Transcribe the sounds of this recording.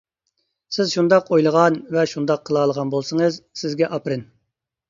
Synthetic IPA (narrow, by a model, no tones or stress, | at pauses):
sɪzʃund̪ɑqojlˠəʁɑnvɛʃund̪ɑqʰːəlˠɑːlˠəʁɑnbolˠsəŋəzsɪzɡʲɛʔɑpɾɨn